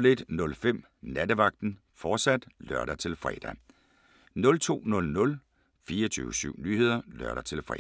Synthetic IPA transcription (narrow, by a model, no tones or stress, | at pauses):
le̝d̥nɔ̽lfem̰ | næd̥əʋɑ̈ɡ̥̚d̥n̩ | fɒːd̥sæd̥lɶɐɾ̥æt͡sʰe̝lfʁɛ̰d̥æ | nɔ̽lt͡sʰo̝̰ːnɔ̽lnɔ̽l | fiːɐt͡sʰy̰ːʊəsyʊ̰ny̰ːɦe̝ð̞̰ˠɐlɶɐɾ̥æt͡sʰe̝lfʁɛ̰